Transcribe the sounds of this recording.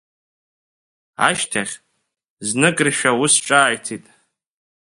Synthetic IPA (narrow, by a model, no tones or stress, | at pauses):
a̰ʃtʰaχʲ | znɨkʼriʃᶣawʊsʈ͡ʂʼaːjtʰitʼ